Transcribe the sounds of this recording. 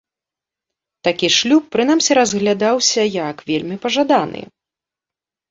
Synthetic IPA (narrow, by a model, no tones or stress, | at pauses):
t̪akʲiʂlʲupːɾɨn̪amsʲɛɾɐzɣlʲad̪awsʲɐjakvʲelʲmʲipɐʐad̪anɨ̰